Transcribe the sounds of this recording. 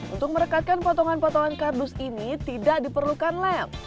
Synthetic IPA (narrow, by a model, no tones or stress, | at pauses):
ṵnt̪ʊk̚məɾəkat̪̚kanpɔt̪ɔŋanpɔt̪ɔŋankardʊsinit̪idaʔdipərlukanlɛ